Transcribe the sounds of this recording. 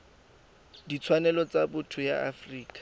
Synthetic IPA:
dit͡sʰwanɛlɔt͡sabʊtʰʊjaafriːkʼḁ

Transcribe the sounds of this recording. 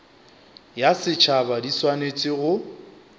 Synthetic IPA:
jasɪt͡ʃʰabadiswanet͡sʼɪɣʊ

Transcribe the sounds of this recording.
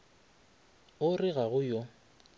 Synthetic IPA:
ʊrɪɣaɣʊjo

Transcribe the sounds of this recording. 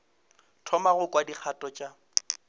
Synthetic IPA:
tʰɔmaɣʊkʼwadik͡xʰatʼɔt͡ʃʼa

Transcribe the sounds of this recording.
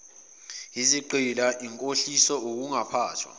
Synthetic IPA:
iziǃilaʔiŋkʼoɬisɔok̬uŋapʰaːtʰwa̰

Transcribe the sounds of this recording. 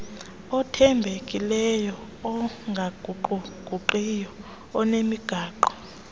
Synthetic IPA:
ɔtʰɛmbʱekʼilɛjɔː | ŋɡʱaɡʱuǃuɡ̥ʱuǃijɔː | nemiɡ̥ʱaːǃɔ

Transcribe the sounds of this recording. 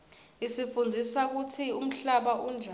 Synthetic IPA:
isifund͡zʱisak̬utʰium̩ɬaɓaʔund͡ʒʱa

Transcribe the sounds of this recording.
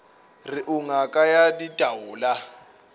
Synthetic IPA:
riʔuŋakʼajaditʼawuːla

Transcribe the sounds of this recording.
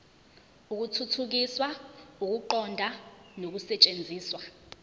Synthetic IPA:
uk̬utʰutʰuk̬iswauk̬uǃɔndʱanok̬usɛt͡ʃʼend͡zʱiːswa

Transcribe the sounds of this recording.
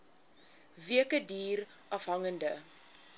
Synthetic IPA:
viəkədiːr | ʔɐfɦɐŋəndə

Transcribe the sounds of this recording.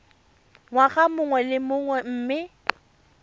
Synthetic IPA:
ŋwaɣamʊŋwɛlɪmʊŋwɛm̩ːmɪ

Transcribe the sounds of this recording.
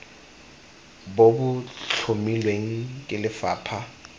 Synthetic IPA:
bobʊt͡ɬt͡ɬʰomilweŋ̩kʼɪlɪfaːpʰa

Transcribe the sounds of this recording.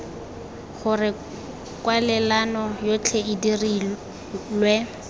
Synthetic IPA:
χʊrɪ | kʼwalɛlanɔjot͡ɬʰeɪdiri | lwɛ

